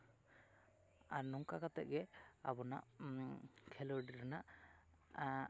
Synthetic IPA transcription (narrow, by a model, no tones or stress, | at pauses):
aɾnɔŋkakat̪ɛ̰ʔ̚ɡɛabɔna̰ʔ | kʰɛlɔɖiɾanaʔ